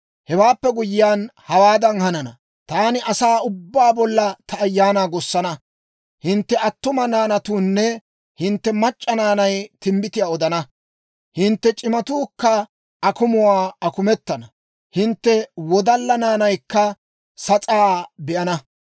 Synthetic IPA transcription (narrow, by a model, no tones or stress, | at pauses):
hɛwaːpːɛɡʊjɪjaːnhɐwaːd̪ɐnhɐnɐnɐ̰ | t̪aːnɪʔɐsaːʊbːaːbɔlːɐt̪ɐːjːaːnaːɡɔsːɐnɐ | hɪnt̪ːɛɐt̪ːʊmɐnaːnɐt̪uːnːɛ | hɪnt̪ːɛmɐt͡ʃʼːɐnaːnɐjt̪ɪmbɪt̪ɪjaːɔd̪ɐnɐ | hɪnt̪ːɛt͡ʃʼɪmɐt̪uːkːɐ | ʔɐkʊmʊwaːɐkʊmɛt̪ːɐnɐ | hɪnt̪ːɛwɔd̪ɐlːɐnaːnɐjkːɐ | sɐt͡sʼaːbɛʔɐnɐ